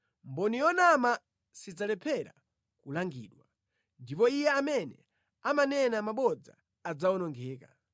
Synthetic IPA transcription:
mbɔnijɔnama | sid͡zalɛpʰɛɾa̰ | kulaŋɡḭːɗwa | ndipɔijɛamɛnɛ̰ | amanɛnamaɓɔd͡za̰ | ad͡zawɔnɔŋɡɛːka

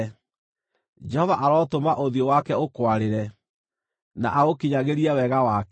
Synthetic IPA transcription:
d͡ʒɛhɔvaʔaɾɔːtomaʔoðiowakɛokwaɾeɾɛ | na̰ʔaɣokiɲaɣeɾiɛwɛɣawak

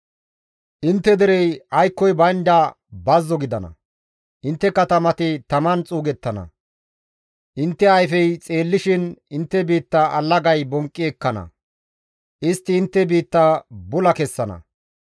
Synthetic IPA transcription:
ʔɪnt̪ːɛd̪ɛɾɛjɐjkːɔjbɐjnd̪ɐ | bɐzːɔɡɪd̪ɐnɐ̰ | ʔɪnt̪ːɛkːɐt̪ɐmɐt̪ɪt̪ɐmɐnt͡sʼuːɡɛt̪ːɐnɐ̰ | ʔɪnt̪ːɛɐjfɛjt͡sʼe̞ːlːɪʃɪnɪnt̪ːɛbiːt̪ːɐʔɐlːɐɡɐjbɔŋkʼːɪɛkːɐnɐ̰ | ʔɪst̪ːɪːnt̪ːɛbiːt̪ːɐbʊlɐkɛsːɐnɐ̰

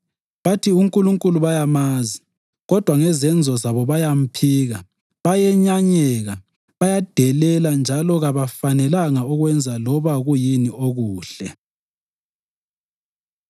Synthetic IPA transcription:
βatʰiuŋkʼuluŋkʼuluβajamazi | ɣɔd̥ʱwaŋɛzɛnd͡zʱɔzaβɔβajam̩pʰiːɣa | βajɛɲaɲɛɣa | βajad̥ʱɛlɛland͡ʒʱalɔɣaβafanɛlaŋauɣwɛnd͡zʱalɔβaɣujinioɣuːɬɛ

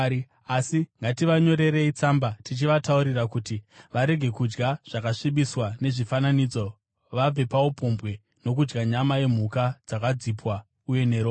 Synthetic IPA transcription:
asiŋɡatiʋaɲo̞ɾe̞ɾe̞it͡sambatit͡ʃiʋatauɾirakutiʋaɾe̞ɡʱe̞kud͡ʒɡaʐ̥akaʂiɓiswane̞ʐifananiːd͡zo̞ | ʋab͡ve̞pawopʰo̞mbwe̞ | no̞k̬ud͡ʒɡaɲamaje̞m̤ukad͡zakad͡zipwa | uje̞ne̞ɾo

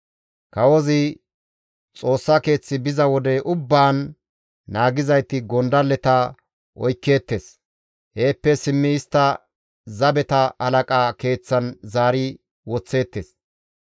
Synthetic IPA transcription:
kɐwɔzɪ | t͡sʼo̞ːsːake̞ːt͡sːɪbɪzɐwɔd̪ɛʔʊbːaːnː | aːɡɪzɐjt̪ɪɡɔnd̪ɐlɛt̪ɐ | ʔɔjkːe̞ːt̪ːe̞s | heːpːɛsɪmːɪɪst̪ːɐ | zɐbɛt̪ɐɐlɐkʼaːke̞ːt͡sːɐnzaːɾɪ | wɔt͡sːe̞ːt̪ːeːs

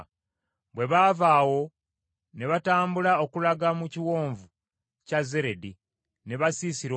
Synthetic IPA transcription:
bwe̞βaːvaːwo̞ | ne̞βataːmbulaokulaɡamuciwo̞ːɱvu | caze̞ɾe̞di | ne̞βasiːsiɾo

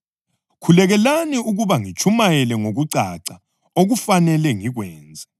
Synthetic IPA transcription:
kʰulɛɣɛlaniuɣuβaŋit͡ʃʰʼumajɛlɛŋoɣuǀaǀa | oɣufanɛlɛŋiɣwɛːnd͡zʱa

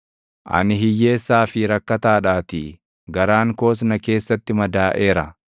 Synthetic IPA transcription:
ʔɐ̰nɪɦɪjːe̞ːsːaːfɪɾɐkːɐt̪aːᶑaːt̪ɪ | ɡɐɾaːŋko̞ːs̬nɐke̞ːsːɐt̪ːɪmɐd̪aːʔe̞ːɾɐ̰

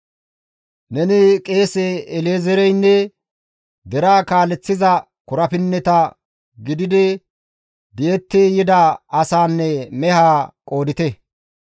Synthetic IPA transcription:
nɛnɪkʼe̞ːsɛɛleːzɛɾɛjnːɛ | d̪ɛɾaːkaːlɛt͡sːɪzɐ | kʊɾɐpɪnːɛt̪ɐ | ɡɪd̪ɪd̪ɛ | d̪eɛt̪ːeːjɪd̪ɐɐsaːnːɛmɛhaːkʼo̞ːd̪ɪt̪ɛ

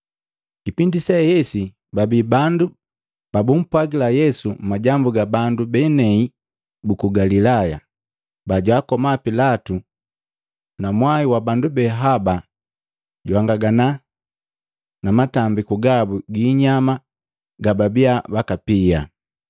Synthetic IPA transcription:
kipindisɛhɛsi | babibandu | b̥abum̩pwaɡilajɛsumaɟambuɡabandubɛnɛi | bukuɡalilaja | baɟwaːkɔmapilatu | namwaiwabandubɛɦaba | ɟwaŋɡaɡana | namatambikuɡabuɡiːɲama | ɡababiabakapia̰

